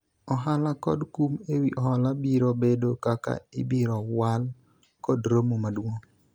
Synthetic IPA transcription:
ɔɦalakɔ̰dkumewiʔɔɦɔlabiɾobedokaka̰ɪbiɾɔwal | kɔdɾomomadwoŋ

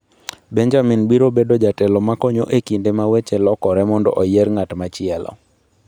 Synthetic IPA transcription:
bɛɲd͡ʒaminbiɾobedod͡ʒatɛlɔmakɔɲoʔekindemawet͡ʃɛlɔkɔɾɛmɔndɔ̰ʔojeɾŋatmat͡ʃɪɛlɔ̰

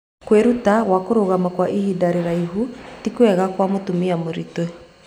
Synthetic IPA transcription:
kweɾutaɣwakoɾoɣamakwaʔihidaɾeɾaiɦutikwɛɣakwamotumiamoɾitwe

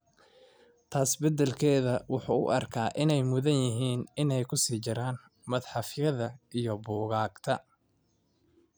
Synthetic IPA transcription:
t̪ʰaːsbɛd̪ɛlkʰɛːðɐwʊħuːʊ̰ʔɐrkʰaːʔɪnɛjmʊðɐnjɪɦiːnɪnɛjkʰʊsiːt͡ʃɪɾaːn | mɐðħɑfjɐðɐʔijɔbuːɣaːɡt̪ʰɐ

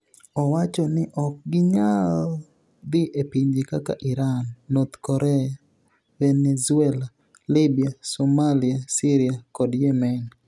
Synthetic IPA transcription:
ɔwat͡ʃɔnɪʔɔk̚ɡɪɲal | d̪ɪʔepiɲd͡ʒɪkaka̰ʔiɾanːot̪kɔɾʔɛa | venɛzuɛla | libiasomaliasiɾiakɔdjɛmɛn

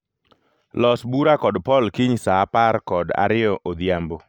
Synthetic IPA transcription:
lɔsbuɾakɔdpɔlkiɲsaparkɔda̰ɾɪɔʔod̪jambo

